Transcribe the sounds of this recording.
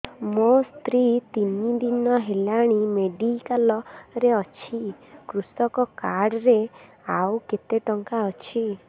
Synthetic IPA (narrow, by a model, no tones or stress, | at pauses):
most̪ɾit̪inid̪inɔɦelaɽ̃imeɖikalɔɾeɔt͡ʃʰikɾusɔkɔkaɽɾe | awket̪eʈɔŋkaɔt͡ʃʰi